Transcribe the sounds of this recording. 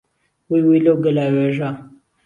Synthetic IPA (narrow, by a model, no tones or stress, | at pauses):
wijwiloɡəlaweʐa